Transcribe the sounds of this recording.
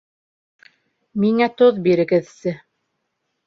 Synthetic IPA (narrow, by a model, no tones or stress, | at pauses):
miŋæt̪oðbiɾɘ̆ɡɘ̆ðsɘ